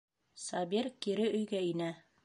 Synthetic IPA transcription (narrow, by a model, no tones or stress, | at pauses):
sɑbiɾkiɾɘʔɵ̆jɡæinæ